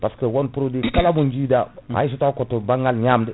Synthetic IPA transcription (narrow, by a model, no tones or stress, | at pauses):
paskəwonpuɾodikalabund͡ʒiːdaha̰jis̬utakotobaŋɡalɲaːmdi